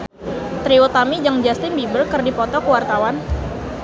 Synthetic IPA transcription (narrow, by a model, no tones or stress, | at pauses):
t̪ɾiut̪amid͡ʒaŋd͡ʒast̪ɪnbibərkɨrdipɔt̪ɔkəwart̪awan